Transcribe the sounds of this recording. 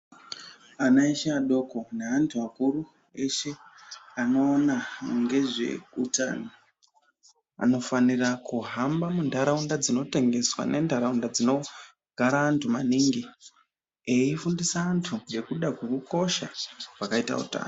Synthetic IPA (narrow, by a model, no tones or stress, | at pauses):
anaiʃaaɗo̞ko̞neantʰuakuɾu | e̞ʃe̞anoːnaŋɡe̞ʐe̞̰uta̰ːno | a̰no̞fanirakuɦambamundaɾaundad͡zino̞te̞ŋɡe̞swa̰ne̞ndʱaɾaundad͡zino̞ | ɡ̥ʱaɾaːntʰumaniːŋɡi | eifundisaːntʰuje̞kuɗakweruko̞ʃaʐakaita̰ṵta̰ːno